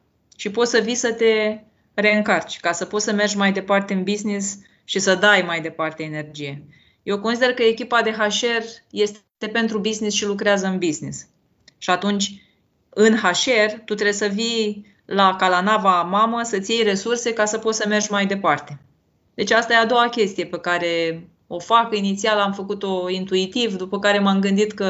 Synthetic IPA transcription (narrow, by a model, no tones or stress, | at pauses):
ʃipo̞t̪səvisət̪e̞ | re̞ɨŋkart͡ʃʲkasəpo̞t̪səme̞rʒʲmajd̪e̞part̪e̞ɨnbiznis | ʃisəd̪ajmajd̪e̞part̪e̞ene̞rd͡ʒije̞ | je̞wko̞nsid̪e̞rkəekʲipad̪e̞ɦaʃe̞rje̞st̪ | e̞pe̞nt̪ɾubiznisʃilukɾeazəɨnbiznis | ʃiat̪unt͡ʃʲ | ɨnhaʃe̞rt̪ut̪ɾe̞səvi | lakalanavamaməsət̪sʲjejre̞surse̞kasəpot̪səme̞rʒʲmajd̪e̞part̪e̞ | d̪e̞t͡ʃast̪ajead̪o̞wakʲe̞st̪ije̞pe̞kaɾe̞ | o̞fakinit̪sialamfəkut̪o̞int̪uit̪ivd̪upəkaɾe̞mamɡɨnd̪it̪kə